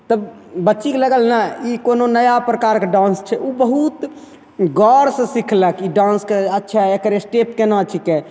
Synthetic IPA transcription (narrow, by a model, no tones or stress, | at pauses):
t̪əb | bəːt͡ʃikləɡəlnaikononəjapɾəkaɾkeɖãnst͡ʃʰɛʔubəɦut̪ | ɡɔɾsə̃sikʰləkiɖãnskeətːʃʰaekəɾesʈepkenat͡ʃʰike